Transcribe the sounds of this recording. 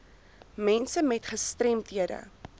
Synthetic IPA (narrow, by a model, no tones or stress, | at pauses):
mɛnsəmɛtχəstrɛmtɦiədə̰